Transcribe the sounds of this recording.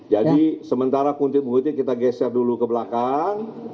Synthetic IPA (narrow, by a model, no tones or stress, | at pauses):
d͡ʒadisəmənt̪aɾakunt̪ɪt̪̚məɦut̪ɪt̪̚kit̪aɡɛsɛrdulukəbəlakaŋ